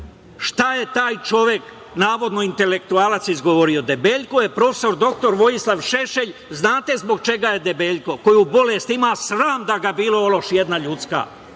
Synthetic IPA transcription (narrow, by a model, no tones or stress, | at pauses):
ʃt̪aje̞t̪aːjt͡ʃo̞ʋjek | naːʋo̞d̪noint̪e̞le̞k̚t̪uaːlˠat̪sizɡo̞ʋoɾio̞d̪ebeːʎkojepɾo̞fe̥so̞ɾd̪o̞k̚t̪o̞ɾʋo̞jislˠaʋʃeʃeʎznaːt̪e̞zboɡ̚t͡ʃe̞ɡaje̞d̪ebe̞ːʎko̞ko̞jubo̞leːst̪imaːsɾaːmd̪aɡabiːlˠoolo̞ʃjed̪naʎut̪ska̰